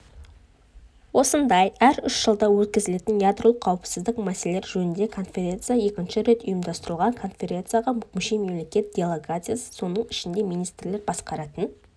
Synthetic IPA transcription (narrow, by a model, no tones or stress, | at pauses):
wo̞sənd̪ɑjæɾʏʃʒəlˠd̪ɑwɵt̪̚kʲɪzɪle̞t̪ɪnjad̪ɾolˠəqʰːɑwəpsɪzd̪ɪqmæse̞leɾʒɵnɪnd̪e̞kʰo̞nfʲe̞ɾʲe̞nt̪sɨjaje̞kʲɪnʃɪɾe̞t̪ʊjəmd̪ɑst̪əɾəlˠʁɑŋkʰo̞nfʲe̞ɾʲe̞nt̪sɨjaʁɑmʏkʲɪnʃejme̞mlʲe̞kʲe̞t̪̚d̪ʲe̞lˠeɡat̪sɨjasə̥so̞nəɴɪʃɪnd̪e̞mijnijst̪ɾle̞ɾbɑsqɑɾɑt̪ən